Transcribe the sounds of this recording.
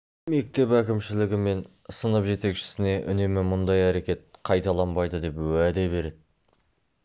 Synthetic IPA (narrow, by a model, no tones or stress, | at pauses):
me̞k̚t̪e̞pækʲɪmʃɪlɪɡʲɪme̞n | sənəpʒe̞t̪e̞kʃɪ̥sɪne̞ʔʏ̰ne̞mɪmʊnd̪ɑjæɾe̞kʲe̞t̪̚qʰɑjt̪ɑlˠɑnbɑjd̪əd̪e̞pwæd̪e̞be̞ɾe̞d̪ɪ